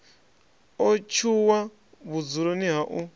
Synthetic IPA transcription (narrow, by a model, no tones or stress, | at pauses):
ɔt͡ʃʰuwa | βud͡zuɾoniɦaʔu